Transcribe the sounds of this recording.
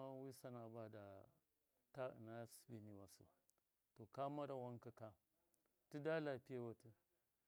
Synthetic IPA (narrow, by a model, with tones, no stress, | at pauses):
a˦wi˦sa˦na˨ba˦da˨ | ta˦ə̰˨na˦si̥˦bi˨ni˨wa˨sṵ˨ | to˨ka˦ma˦ɾa˨wa˦ŋkə˦ka˦ | ti˦da˦la˨pi˦ja˦wa˨tə˦